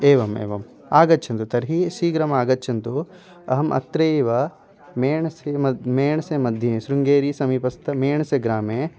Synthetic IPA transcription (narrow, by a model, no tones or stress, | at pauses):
eːʋɐmḛːʋɐm | aːɡɐtːt͡ʃʰɐnt̪ut̪ɐɾɦiʃiːɡɾɐmɐaːɡɐtːt͡ʃʰɐnt̪u | ɐɦɐmʔɐ̰t̪ɾeːʋɐ | meːɳɐsemɐmeːɳɐsemɐd̪ʱjɐnesɾuŋɡeːɾisɐmiːpɐst̪ɐmeːɳɐseɡɾaːmeː